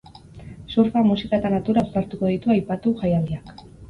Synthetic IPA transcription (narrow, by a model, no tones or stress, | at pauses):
suɾfamusikaet̪anat̪uɾawst̪aɾt̪uko̞ðit̪uajpat̪uʝajald̪iak